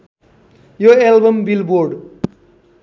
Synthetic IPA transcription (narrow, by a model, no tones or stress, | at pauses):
joelbʌmbilboɾɖ